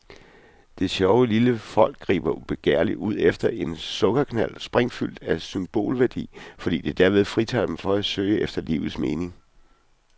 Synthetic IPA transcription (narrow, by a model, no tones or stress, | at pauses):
d̥e̝ɕɒʊəliləfɒ̽l̰ɡ̥ːʁḭːb̥ɐb̥e̝ɡ̥ḛɐliuð̞̰ˠefd̥ɐʔe̝nsɔ̽ɡ̥ɐkʰnæl̰sb̥ʁeŋfyl̰d̥æsymb̥o̝̰ːlʋæɐd̥ḭːfɒ̽d̥ḭːd̥ed̥æɐ̰ʋe̝ð̞ˠfʁit͡sʰɑ̰̈ːd̥emfɒ̽æ̥søɪəʔefd̥ɐlḭːʊð̩ˠsme̝ːne̝ŋ